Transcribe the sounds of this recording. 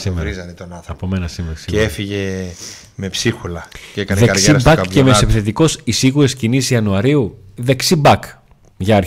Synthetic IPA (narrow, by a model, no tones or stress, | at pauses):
simezɐnt̪onɐɐpomenɐsimeɾɐsiefiʝe̞ | me̞psixulɐcekɐnðeɐkɾsibɐkpcːemesepiθe̞t̪iko̞sisiɣuɾe̞scinisiɐnuɐɾiu | ðe̞ksibɐk | ʝɐɐɾ